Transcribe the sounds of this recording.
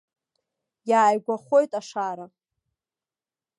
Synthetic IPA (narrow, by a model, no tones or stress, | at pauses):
jaːjɡʷaχʷo̞jtʼaʂaɾa